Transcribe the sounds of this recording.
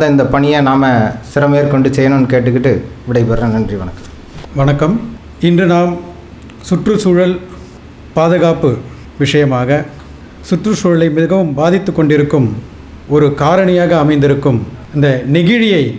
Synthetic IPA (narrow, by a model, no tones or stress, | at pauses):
ɐðɐɪnd̪ɐpɐɳɪjɐnaːmɐsɪɾɐmeːɾkɔɳɖɯsɛjːɐnoːnkeːʈ̬ːɯkːɪʈːɯʋɪɽɐɪpɐɾɾẽːnɐndriʋɐɳɐkːɐ̥m | ʋɐɳɐkːɐm | ɪndrɯnaːm | sʊʈrɯsuːɻɐl | paːðɐɣaːpɯ | ʋɪʂɐjɐmaːɣɐ | sʊʈrɯsuːɻɐlɐɪmɪðɯɣɐʋɯmbaːðɪt̪ːɯkːɔɳɖɪɾɯkːɯm | ɔɾɯkaːɾɐɳɐjaːɣɐːmɐɪnd̪ɪɾɯkːɯmɪnd̪ɐnɪɣɪɻɪjɐɪ